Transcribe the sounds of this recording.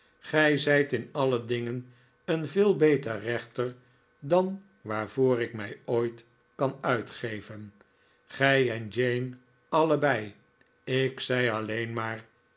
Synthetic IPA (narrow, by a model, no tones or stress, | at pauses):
χɛjzɛjtɪnɑlədɪŋən | ənvɪːlˠbejtərɛχtəɹ | dɑn | ʋaːɹv̥oːɾɪkmɛjojt | kɑnœɥtχejvən | χɛjɛnd͡ʒejn | ɑləbɛj | ɪksɛjɑlejnmaːɹ